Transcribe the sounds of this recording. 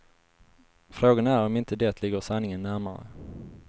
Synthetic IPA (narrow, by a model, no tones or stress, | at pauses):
fɾoːɡanæɾɔmɪnt̪əd̪ɛːt̪ʰlɪɡːəɾsanːɪŋənːæɾmaɾə̰